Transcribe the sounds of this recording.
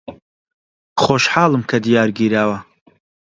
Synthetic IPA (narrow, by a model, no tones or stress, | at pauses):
χoːʃħaːlˠɨmkʰɐd̪ijaːɾɡiːɾaːwɐ